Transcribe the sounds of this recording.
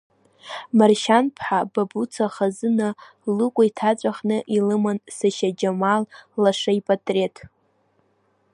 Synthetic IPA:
marʃanpʰħababut͡sʰaχazɨna | lɨkʷʼaitʰat͡sʷʼaχnɨʔilɨmansaʃad͡ʒamallaʂaipʼatʼre̞tʰ

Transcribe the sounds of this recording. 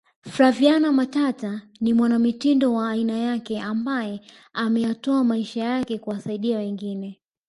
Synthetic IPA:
fɾavianamatata | nimwanamitindɔwaːinajakɛʔambajɛ | amɛjatɔamaiʃajakɛkuwasaiɗiawɛŋɡinɛ

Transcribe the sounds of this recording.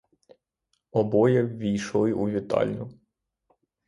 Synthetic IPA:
ɔbɔjɛwʋʲijʃlˠɪʔuʋʲit̪ɑ̰lʲnʲʊ

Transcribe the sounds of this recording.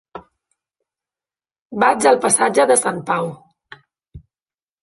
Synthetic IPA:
bad͡zəlˠpəsad͡ʒəðəsampaw

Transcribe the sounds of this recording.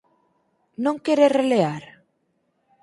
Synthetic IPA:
nõŋkeɾereleaɾ

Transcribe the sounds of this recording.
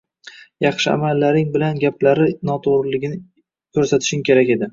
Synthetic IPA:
jɑχʃɪa̰malːaɾɪŋbɪlanɡʲaplaɾɪnɒt̪ʰoɾlɪɡʲɪnɪ | kʲʰɵɾsat̪ʰɪ̥ʃɪŋkʲʰe̞ɾakʲe̞d̪ɪ

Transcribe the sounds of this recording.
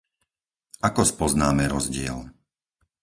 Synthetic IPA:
akɔspɔznaːmɛɾɔzɟɪɛ̰l

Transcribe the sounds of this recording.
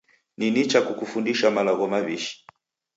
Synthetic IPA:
ninit͡ʃakukufundiʃamalaɣɔmaβiʃi̥

